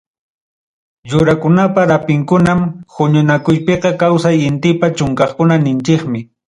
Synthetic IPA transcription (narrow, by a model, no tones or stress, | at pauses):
jʊɾakʊnapaɾapɪŋkʊnamhʊɲʊnakʊjpeqɑkawsajɪnt̪ɪpat͡ʃʊŋkɑχkʊnanɪnt͡ʃɪkmɪ